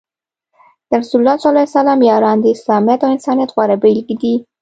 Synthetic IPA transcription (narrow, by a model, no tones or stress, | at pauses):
d̪̥əɾasullːɑsalajsalɑmjɑɾɑnd̪əɪslɑmijat̪awɪnsɑnijat̪ɣwaɾabelɡd̪i